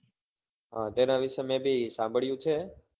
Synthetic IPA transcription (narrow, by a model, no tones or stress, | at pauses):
ɦãːt̪eːnãːʋɪʃemẽːbʱiːsãːmbʱəɭjũːt͡ʃʰeː